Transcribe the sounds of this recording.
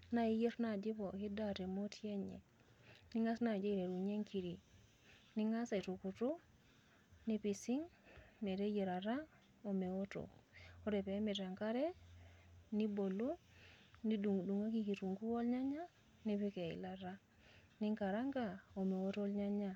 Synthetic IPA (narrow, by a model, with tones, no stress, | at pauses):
na˦ije˦ɾna˨d͡ʒi˦po˨ki˦date˨mo˦tje˦ɲḛ˨ | ni˦ŋa˦sna˨d͡ʒe˦iɾe˨ɾu˨ɲe˦ŋki˨ɾi˨ | ni˦ŋa˦sa˨i˨tu˨ku˨tu˦ | ni˦pisi˦ŋme˨te˦je˨ɾa˨ɾa˦ | o˨me˨wo˦to̰o˦ɾe˨pe˦mi˨ta˨ŋka˦ɾe˦ | ni˦bo˨lu˦ni˦du˨ŋɡu˨du˨ŋa˦kiki˨tu˨ŋɡu˦wo˦lɲa˦ɲa˦ | ni˦pi˦ke˨ḭ˨laɾa˦ | ni˦ŋka˨ɾa˦ŋɡao˨me˨wo˦to˦lɲa˦ɲa˨